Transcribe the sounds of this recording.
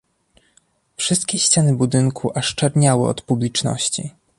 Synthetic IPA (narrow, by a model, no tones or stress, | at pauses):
fʂɘst̪̚kʲeɕt͡ɕanɘbud̪ɘŋkʰuʔaʂt͡ʂɛɾɲawɘ̰ɔ̰t̪publʲit͡ʂnɔ̰ɕt͡ɕḭ